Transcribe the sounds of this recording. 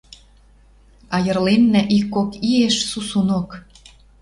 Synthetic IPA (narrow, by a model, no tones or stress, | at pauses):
ɑjə̆rlenːæʔikːokieʃsusunok